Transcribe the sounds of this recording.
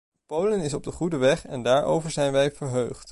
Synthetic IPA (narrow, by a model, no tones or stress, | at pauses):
powlənɪsɔb̚dəχudəʋɛχɛndaːɹʔo̰wvəɹzɛjnʋɛjvəɹɦøːχt